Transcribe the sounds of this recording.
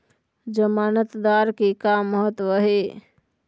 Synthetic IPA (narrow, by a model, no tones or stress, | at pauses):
d͡ʒəmaːnət̪d̪aːɾkikaːmːəɦət̪ʋəɦe